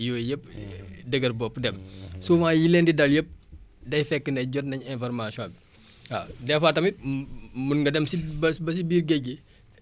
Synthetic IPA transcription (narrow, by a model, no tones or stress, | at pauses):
joːjəp̚dəɡɐrbɔpːdɛmsumajilendidɐljəp̚dɐjfɛkːənɛɟɔtnɐɲɛ̃nfɐɾmasiɔ̃ːbi | adɛfaːtɐmit̚munɡɐdɛmsibbɐs̬ibiːɾɡɛɡi